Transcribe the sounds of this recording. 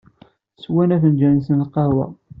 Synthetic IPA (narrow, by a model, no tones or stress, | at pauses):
swænæθənd͡ʒænsənqɑwæ̰